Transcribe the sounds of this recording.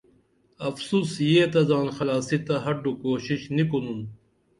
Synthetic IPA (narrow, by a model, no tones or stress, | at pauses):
ɐfsuːsjeːt̪ɐzaːnxɐlaːsit̪ɐɦɐɖukoːɕiɕnikunun